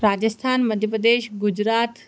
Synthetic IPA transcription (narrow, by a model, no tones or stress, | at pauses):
ɾaːd͡ʒəst̪ʰaːnməd̪ʱjəpɾəd̪eːʃɡʊd͡ʒɾaːt̪